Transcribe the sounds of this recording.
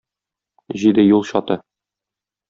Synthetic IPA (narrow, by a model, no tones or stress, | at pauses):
ʑid̪ɘjulˠɕɒt̪ɤ